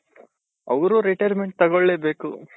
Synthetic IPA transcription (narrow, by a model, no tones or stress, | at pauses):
ɐʋɐɾuɾiʈɐjɾmeɳʈ̚t̪ɐɡoɭːeːbeːku